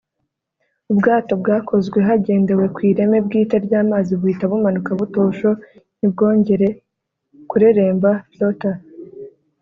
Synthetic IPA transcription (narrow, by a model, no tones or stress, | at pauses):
ubɡaːto̞bɡaːkʰo̞zɡwe̞ɦaɟe̞ːnde̞we̞kwiːɾe̞me̞b̚ɡiːtaɾɟaːmaːziβuitaβumanukaβuto̞ːʃo̞nibɡo̞ːɲɟe̞ɾe̞ | kuɾe̞ɾe̞ːmbajota